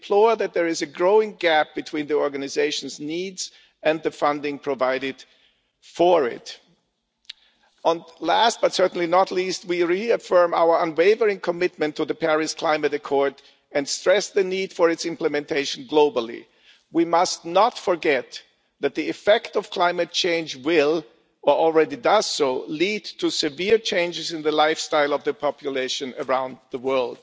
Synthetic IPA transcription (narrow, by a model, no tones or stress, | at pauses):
pʰl̥ɔðɨt̪̚ðə˞ɨzɨɡɹoʊɪ̃ŋɡæp̚b̥ɨtʰw̥ĩnðiɔɹɡɨnɨzeɪʃn̩znidz̥ | ɨ̃nðɨfʌ̃ndɪ̃ŋpʰɹ̥ɨvaɪɾɪd̥ | fə˞ɪ̰t | ə̃nlæst̚b̥ʌtsɜ˞ʔn̩linətʰˡlist̚wiɹiɨfɜ̃˞ma̰ʊə˞ə̃nweɪvə˞ɪ̃ŋkʰəmɪt̚mɨ̃ntʰɨðɨpʰɛɹɨskʰl̥ãɪ̃mɨɾɨkʰɔɹd | ɨ̃nstɹ̥ɛsðɨnid̥fə˞ɨtsɪ̃mplɨmɛ̃ntʰeɪʃn̩ɡloʊbl̩ˠḭ | wimʌstnətfə˞ɡɛt̪̚ | ðæt̪̚ðiɨfɛktʌv̥kʰl̥ãɪ̃mɨt̚t͡ʃʰẽɪ̃nd͡ʒwɪlˠ | ə˞ɔl̩ˠɹɛɾidʌz̥soʊlidtʰɨsɨvɪɹt͡ʃʰẽɪ̃nd͡ʒɨzɨ̃nðɨlaɪfstaɪlˠʌvðɨpʰɑpʰjɨleɪʃɨ̃nə˞ãʊ̃nd̪ðəwɜ˞lˠd̥